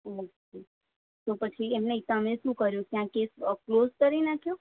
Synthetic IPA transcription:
oke | t̪opət͡ʃʰiemneisãmẽʃũkəɾjũkjãkesəklozkəɾinakʰju

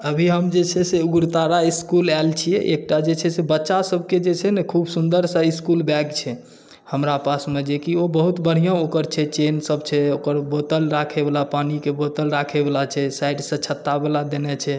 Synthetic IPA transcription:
əbʱiɦəmd͡ʒet͡ʃʰɛseuɡɾt̪aɾaiskulɛlt͡ʃʰijɛ̰ʔek̚ʈad͡ʒet͡ʃʰɛsebətːʃasəbʱked͡ʒet͡ʃʰɛnekʰubsund̪əɾsaiskulbɛɡt͡ʃʰɛ | həmɾapasmed͡ʒekiobəɦut̪bəɽ̤ijãokəɾt͡ʃʰɛt͡ʃensəbt͡ʃʰɛokəɾbot̪əlɾakʰɛbelapanikebot̪əlɾakʰebelat͡ʃʰɛsajɖsə̃t͡ʃʰət̪ːabelad̪enɛt͡ʃʰɛ

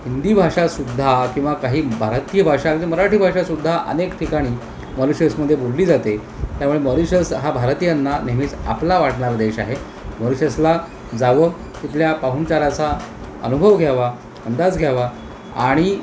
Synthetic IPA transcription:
hind̪iːbʱaʂasud̪ʱːakĩʋakaɦiːbʱaɾt̪ijəbʱaʂaɾiməɾaʈiːbʱaʂasud̪ʱːaʔə̰nekʈʰikaɽ̃iː | məɾuɕəsməd̪ʱːjebolliːd͡zat̪e | t̪jamuɭeməɾiɕəsɦabʱaɾt̪ijanːaneɦmiːt͡sa̰plaʋaʈɳaɾd̪eɕa̰ɦe | məɾiɕəsla | d͡zaʋə | t̪it̪ljapaɦunt͡ɕalat͡sa | ə̰nubʱəʋɡʱjaʋa | ənd̪ad͡zɡʱjaʋa | a̰ɽ̃i

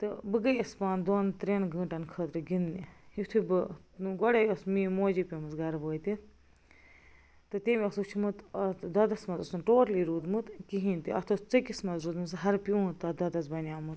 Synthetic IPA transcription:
t̪ɨbɨɡɐjɐspaːnd̪oːnt̪ɾeːnɡɨ̃ːʈɐnkʰəːt̪ɾɨɡinniit̪ʰubɨɡɔɽɐjɐsmiːmoːd͡ʒipʲimɨsɡɐɾboːjt̪i | t̪ɨt̪emʲiɐsut͡ʃʰimɨt̪ɐd̪ɐd̪ɐsmɐzɐsunʈoːɾliɾuːd̪mɨt̪kiɦint̪iɐt̪ʰost͡sɨkismɐzɾuːd̪mɨsɦɐɾpjũt̪ɐd̪ɐd̪ɐsbɐnʲaːmɨt̪

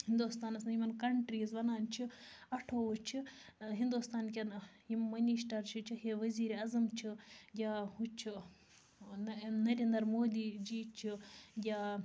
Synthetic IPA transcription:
hind̪ust̪aːnɐsɐnimɐnkɐɳʈɾiːzʋɐnaːnt͡ʃʰiɐʈʰoːut͡ʃʰiɦind̪ust̪aːnk̬ʲɐn | jimːɐniʃʈɐɾt͡ʃʰit͡ʃʰiheʋɐziːɾeɐzɐmt͡ʃʰiɡʲaːhut͡ʃʰi | nɐɾeːnd̪ɐɾmoːd̪iːd͡ʒiːt͡ʃʰiɡʲaː

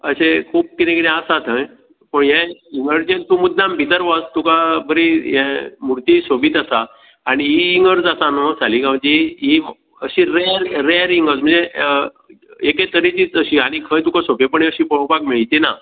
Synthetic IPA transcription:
əsekʰuːp̚kit̪ẽkiɾẽasat̪ʰə̃j | pəɳɦjɛ̃iŋɡəɾd͡ʑẽnt̪umud̪ːãmbʱit̪əɾʋast̪ukabəɾijɛ̃muɾt̪isobit̪asaː | ɽ̃iiːŋɡəɾd͡zasanosaliɡãwt͡ɕiɦi | əɕĩɾeɾɾeɾiŋɡət͡sm̤əɳd͡ze | eket̪əɾit͡ɕit͡səɕiaɽ̃ikʰəjt̪ukasopepəɳẽəɕĩpəɭopakmeɭt̪ina

